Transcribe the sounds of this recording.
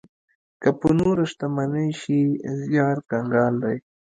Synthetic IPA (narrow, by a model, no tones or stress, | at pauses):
kapunuɾɐʂt̪amaneʃizjɑːɾkaŋɡɑːld̪aj